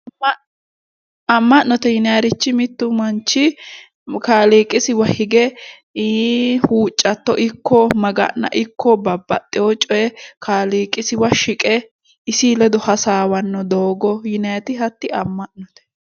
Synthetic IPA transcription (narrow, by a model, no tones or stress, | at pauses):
ɐmːɐʔnɔt̪ɛjɪnɐjɐɾɪt͡ʃːɪmɪt̪ːʊmɐnt͡ʃːɪ | kaːliːkʼːɪsɪwɐhɪɡɛ | huːt͡ʃʼːɐt̪ːɔʔɪkːɔmɐɡɐ̰nːɐ̰ʔɪkːɔbɐbːɐt̪ʼːɪjɔt͡ʃʼɔjɛkʰaːliːkʼɪsɪwɐʃɪkʼɛ | ɪsilɛd̪ɔhɐsaːwɐnːɔd̪oːɡɔjɪnɐjɐt̪ɪɦɐt̪ːɪɐmːɐʔnɔt̪ɛ̥